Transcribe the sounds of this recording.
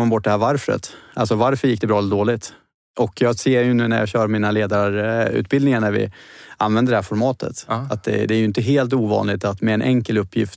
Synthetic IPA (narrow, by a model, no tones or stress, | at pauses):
abɔʈ̚ːd̪ɛhæːɾvaɾfɾə̰t̪ʔalsɔvaɾfœɾjɪk̚ːd̪ɛbɾɑːɛlːəd̪oːlɪt̪ | ʔɔkʰjɑːɡseːjɵnʉ̟ːnæɾjɑ̰ːɕœːɾmiːnaleːd̪aɾʉ̰ːt̪̚bɪld̪ɪŋaɳæɾvɪ̰ʔanvɛnd̪əɖɛhæːɾfɔɾmɑːt̪ʰə̰t̪at̪̚d̪ɛ̰d̪ɛæːjɵɪnt̪əɦeːlt̪uːvɑ̰ːnlɪɡ̚t̪at̪mɛːnʔɛŋkəlɵpʰːjɪft̪